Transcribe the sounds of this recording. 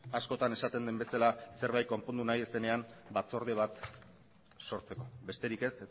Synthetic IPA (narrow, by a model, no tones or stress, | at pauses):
asko̞t̪ane̞sat̪e̞nd̪embe̞salase̞ɾβajtko̞mpo̞nd̪unaje̞se̞ne̞ambat͡so̞ɾð̞eβ̞at̪ | so̞ɾt͡se̞ko̞be̞st̪e̞ɾike̞se